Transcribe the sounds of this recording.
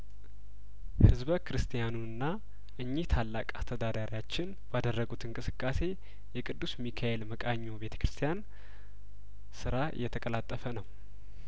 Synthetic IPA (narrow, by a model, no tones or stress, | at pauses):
hɨzβəkʰɨɾɨst̪ʰijanuɨnːa | ʔɨɲːiht̪ʰalːa̰kʼast̪ʰəd̪ad̪aɾijat͡ʃːɪn | bad̪ərːəɡut̪ʰɨŋkʼɨsɨkʼːase̞ | jɛkʼɨd̪ːusmikʰaelməkʼaɲːo̞be̞t̪ʰə̥kɾɨst̪ʰijan | sɨɾa̰jːɛt̪ʰəkʼəlat̪ʼːəfənəw